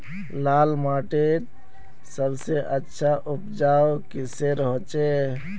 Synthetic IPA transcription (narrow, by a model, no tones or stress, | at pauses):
laːlmaːʈet̪̚ | səbseʔətːʃʰaʔʊpd͡ʒaːokiseɾɦot͡ʃe